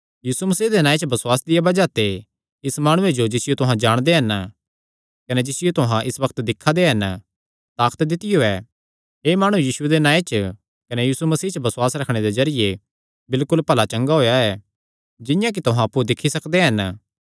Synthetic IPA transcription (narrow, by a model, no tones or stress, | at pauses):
jiːsumɐsiːɦd̪enãːet͡ʃəbɐswaːsd̪ɪjabɐd͡ʒat̪e | ɪsmaːɽ̃ʊ̃ed͡ʒod͡ʒɪsɪjot̪ʊɦãd͡ʒaːɽ̃d̪eɦɐn | kɐned͡ʒɪsɪjot̪ʊɦãʔɪsbɐkt̪d̪ɪkʰːad̪eɦɐn | t̪aːkt̪d̪ɪt̪ɪjoɛː | ɦeːmaːɽ̃ujiːʃued̪enaːet͡ʃə | kɐnejuːsumɐsiːt͡ʃəbɐswaːsɾɐkʰɽ̃ed̪ezɐɾɪje | bɪlkʊlpɐlat͡ʃɐ̃ŋɡaɦoːjaɛː | d͡ʒɪjãk̬it̪ʊɦãɐpːud̪ɪkʰːisɐkd̪eɦɐn